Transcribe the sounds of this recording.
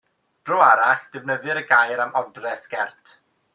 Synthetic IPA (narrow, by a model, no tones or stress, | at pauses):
d̥rɔaɾaχd̥əvnəðɨɾəɡajɾamɔdrɛsɡ̥ɛrtʰ